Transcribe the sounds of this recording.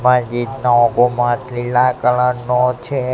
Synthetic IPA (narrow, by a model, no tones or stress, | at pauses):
mãd͡ʒid̪naɔɡomãtlilakələnot͡ʃʰe